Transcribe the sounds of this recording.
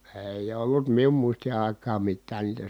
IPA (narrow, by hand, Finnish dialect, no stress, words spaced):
eˑij olːut mium muisti ɑˑi̯kɑːm mitːæː niːtæ